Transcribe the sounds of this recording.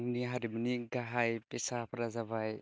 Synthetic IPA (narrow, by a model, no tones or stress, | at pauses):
ŋniɦaɾiminiɡaɦajpesapʰaɾazabaj